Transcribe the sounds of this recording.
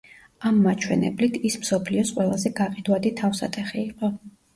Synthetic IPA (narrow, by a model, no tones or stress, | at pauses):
amːat͡ʃʰwɛ̰nɛ̰blit̪ʰismsɔpʰliɔsqʼwɛlˠazɛɡaqʼid̪wad̪it̪ʰafsa̰t̪ʰʼɛχiːqʼɔ